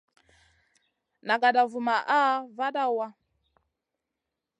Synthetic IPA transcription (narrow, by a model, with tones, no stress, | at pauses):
na˨ɡa˨da˨vu˨ma˨ʔa˦va˦da˦wa˦